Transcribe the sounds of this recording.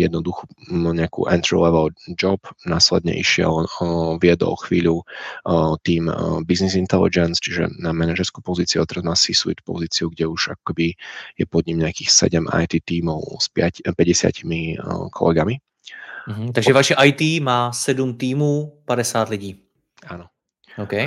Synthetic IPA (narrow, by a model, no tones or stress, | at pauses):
jɛd̪nɔd̪uxuɲɛakṵʔɛnt̪ɾḭlɛʋɛld͡ʒɔbnaːslɛd̪ɲɛ̰ʔḭʃɪɛ̰lvɪɛd̪ɔ̰lxʋiːʎu | t̪iːmbiznizint̪ɛlḭd͡ʒɛnst͡ʃiʒɛ̰namɛnaʒɛɾskupɔziːt͡siuat̪ɛɾazmaːsisuḭt̪pɔ̰ziːt͡siuɡɟɛuʒakɔ̥kɛbijɛpɔd̪ɲimɲɛakiːxsɛ̰ɟɛma̰jt̪iːt̪iːmɔʊspɪacpɛɟɛsɪa̰cimikʰɔ̰lɛɡami | ɦ̩t̪aɡʒɛvaʃɛʔajt̪iːmaːsɛdumt̪iːmuːpadɛsaːt̪liɟiː | aːnɔ | okɛj